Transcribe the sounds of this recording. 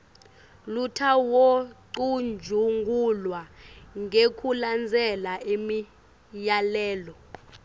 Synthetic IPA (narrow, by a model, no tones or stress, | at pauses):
lutʰawoǀund͡ʒʱuŋɡʱulwaŋʱekʰuland͡zʱɛlaimi | jalɛːlɔ